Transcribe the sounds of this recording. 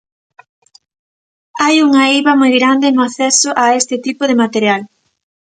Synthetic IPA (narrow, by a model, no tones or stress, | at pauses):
ajuŋɐiβɐmojɣɾand̪ɪnʊaθɛsʊʔaest̪ɪt̪ipʊðɪmat̪eɾjal